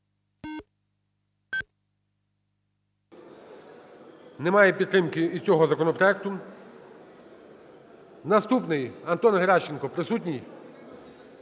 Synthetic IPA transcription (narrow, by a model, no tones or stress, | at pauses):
nɛmɑjɛpʲid̪̚t̪ːɾɪmkɪit͡sʲɔɦɔzɐkɔnɔpɾɔjɛk̚t̪ʊ | nɐst̪upnɪjɐnt̪ɔnɦeɾɑʃt͡ʃenkɔpɾɪsut̬ʲnʲij